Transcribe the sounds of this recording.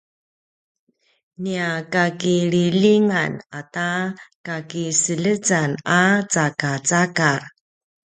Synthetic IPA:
niakakiɭiliŋanatakakisələt͡sanat͡sakat͡sakaɾ

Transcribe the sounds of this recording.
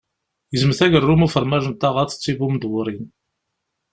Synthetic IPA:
jəzmθæʝərˤːumufəɾˤmæʒənt̪ɑʁɑθə̥t͡sːibumd̪wʊɾˤin

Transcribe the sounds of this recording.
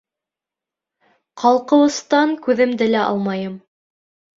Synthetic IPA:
qʰɑlˠqɤ̆wɤ̆st̪ɑŋkʉðɘmd̪ɘlæʔɑ̰lˠmɑjɤm

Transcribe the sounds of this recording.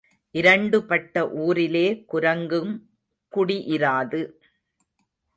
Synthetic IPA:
ʔɪɾɐɳɖɯpɐʈːɐʔuːɾɪleːkʊɾɐŋɡɯm | kʊɽiʔɪɾaːðɯ

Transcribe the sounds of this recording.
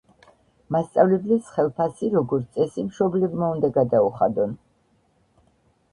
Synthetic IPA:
mast̪sʼavlɛblisχɛlˠpʰasiɾɔɡɔɾt̪sʼɛsimʃɔblɛbmaund̪aɡad̪auχa̰d̪ɔn

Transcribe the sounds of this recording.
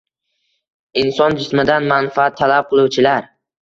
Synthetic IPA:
ɪnsɒnd͡ʒɪsmɪd̪anmanfat̪ʰːalap̚qʰɨlˠuwt͡ʃʰɪlaɾ

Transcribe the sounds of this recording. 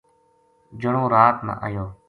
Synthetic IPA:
d͡ʒəɳõːɾaːt̪mã̰ːʔajoː

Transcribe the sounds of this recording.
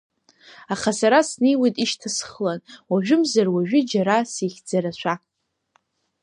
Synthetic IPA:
aχasaɾasnejwejtʼiʃtʰasχlanwaʒᶣʊmzarwaʒᶣʊd͡ʒaɾasiχʲd͡zaɾaʃʷʰa

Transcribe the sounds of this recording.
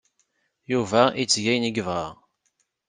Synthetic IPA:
juvæit͡sːʝæjniɡəvʁɑʁ

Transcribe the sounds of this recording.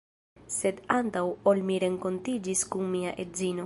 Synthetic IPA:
se̞dant̪awolmiɾe̞ŋko̞ntid͡ʒiskunmiaʔezino̞

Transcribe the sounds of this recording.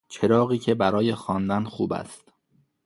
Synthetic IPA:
t͡ʃʰe̞ɾɒːɣiːcʰe̞bæɾɒːje̞xɒːnd̪ænxuːbæ̰st̪

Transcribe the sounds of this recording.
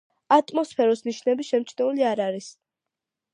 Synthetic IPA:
at̪ʼmɔspʰɛɾɔsniʃnɛbiʃɛmt͡ʃʰnɛuliaɾaɾis

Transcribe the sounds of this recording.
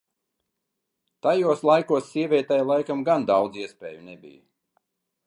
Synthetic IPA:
t̪ajuɔslˠajkuɔsːiɛvʲiɛt̪ɛjlˠajkamɡand̪awd̪ziɛspʲḛːjunebʲḭjə

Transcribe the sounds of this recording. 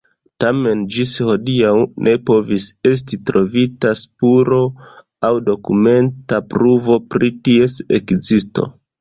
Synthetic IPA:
tame̞nd͡ʒisho̞diawnʔe̞po̞vise̞s̬titɾo̞vitaspuɾo̞ | awdo̞kume̞ntapɾuvo̞pɾitie̞sekzisto̞̰

